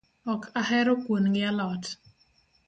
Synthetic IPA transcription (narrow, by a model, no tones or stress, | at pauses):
ɔkʰahɛɾokwonɡɪalɔt